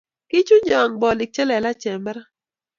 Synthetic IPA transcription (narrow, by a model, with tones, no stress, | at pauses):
kɪ˦t͡ʃʊ˦ɲɔ˨ŋbɔ˨lɪ˨k̚t͡ʃɛ˦lɛ˨la˦t͡ʃɛ˨mbɾa˦